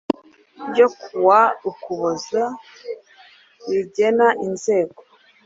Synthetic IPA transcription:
jo̞kʰuwaukuβoza | ɾiɟenaʔinze̞ːɡo

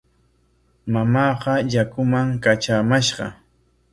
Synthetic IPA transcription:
mamɑːqɑʎakʊmaŋkat͡ʃamaʃɢɑ̰

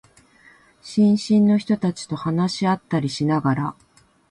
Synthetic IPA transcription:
ɕĩɰ̃ɕĩnːo̞çi̥t̪o̞t̪at͡ɕi̥t̪o̞hanaɕiat̪ːaɾʲiɕinaɡaɾa

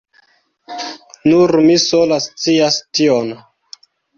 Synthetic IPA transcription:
nuɾmisolast͡siastion

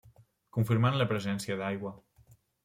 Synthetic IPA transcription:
kuɱfiɾmanləpɾəzɛnsiəðajɣwə

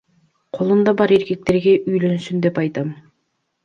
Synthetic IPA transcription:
qʰo̞lˠumd̪ɑbɑɾe̞ɾke̞k̚t̪e̞ɾɡe̞ʔyjlø̞nsynd̪epɑjt̪ɑm

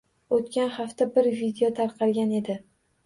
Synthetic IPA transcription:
ot̪kʲanχaft̪abɪɾvid̪eɒt̪ʰaɾqʰɑɾɡʲane̞d̪ɪ

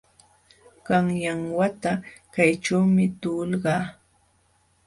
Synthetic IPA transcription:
ɢ̥ɑŋjaŋwat̪akajʈ͡ʂawmɪt̪ulɢɑː

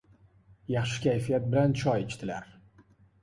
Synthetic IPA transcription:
jɑχʃɪ̥kʲajfijat̪̚bɪlant͡ʃʰɒjet͡ʃt̪ʰɪlaɾ

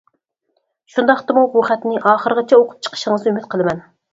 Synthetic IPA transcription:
ʃund̪ɑχt̪ɨmuɾuχɛt̪nɪʔɑːχəɾəʁət͡ʃʰɛoqʰʊ̥p̚t͡ʃʰə̥qʰə̥ʃəŋəzymɪt̪̚qʰəlˠɨmɛn

